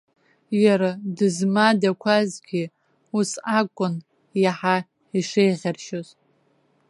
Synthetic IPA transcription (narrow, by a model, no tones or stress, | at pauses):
jaɾadɨzmadakʷʰazɡʲi | usakʷʼʊn | jaħa | iʂejʁʲarʃoz